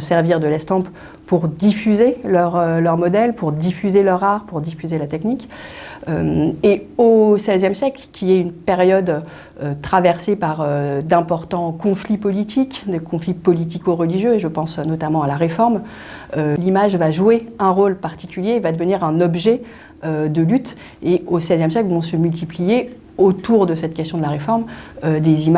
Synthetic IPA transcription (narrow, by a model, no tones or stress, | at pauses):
sɛʁviʁd̪əlɛst̪ɑ̃p | puʁd̪ifyzelœʁølœʁmɔd̪ɛlpuʁd̪ifyzelœʁaʁpuʁd̪ifyzelat̪ɛknik | ømeosɛzjɛmsjɛklkʲʰiɛynpɛʁjɔd̪ | øt̪χavɛʁsepaʁød̪ɛ̃pɔʁt̪ɑ̃kɔ̃flipɔlit̪ʰikd̪əkɔ̃flipɔlit̪̬ikoʁəliʒjøeʒəpɑ̃snɔt̪amɑ̃alaʁefɔʁm | ølimaʒvaʒueɛ̃ʁolpaʁt̪i̥kʲyljeːvad̪əvəniʁɛ̃nɔbʒɛ | ød̪əlyt̪ | eosɛzjɛmsjɛklvɔ̃səmylt̪̬iplije | ot̪uʁd̪əsɛt̪̚kʲɛst̪jɔ̃d̪əlaʁefɔʁmød̪ezim